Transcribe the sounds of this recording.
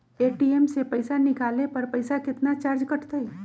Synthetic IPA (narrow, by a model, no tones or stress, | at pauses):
eːʈiemsepɐɪsanɪkaːlepɐɾpɐɪsakɪt̪nat͡ʃaːɾd͡ʒkɐʈʰt̪eɦɛ